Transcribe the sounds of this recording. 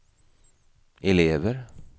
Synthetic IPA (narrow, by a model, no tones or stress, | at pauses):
ʔɛleːʋəɾ